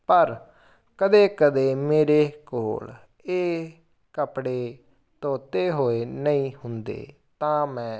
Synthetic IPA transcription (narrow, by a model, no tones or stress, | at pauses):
pəɾ | kəd̪eːkəd̪eːmeːɾeːkoːl | eː | kəpɽeː | t̪oːt̪eːɦoːeːnəĩːhʊnd̪ḛː | t̪ãːmɛ̃ː